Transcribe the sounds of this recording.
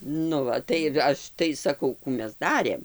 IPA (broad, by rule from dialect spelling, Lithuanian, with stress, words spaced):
nʊ ˈʋɐ tɐɪ ˈɐʃ tɐɪ sɐˈkɐʊ ˈkuː ˈmʲɛs ˈdɑːrʲeːm